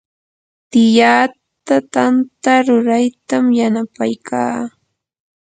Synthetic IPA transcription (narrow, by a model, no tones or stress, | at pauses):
t̪ɪjaː | t̪at̪ant̪aɾʊɾajt̪amjanapajkʰaː